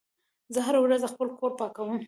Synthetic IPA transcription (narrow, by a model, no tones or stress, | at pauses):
zəɦaɾawɾazəxpəlkoɾpɑkawəm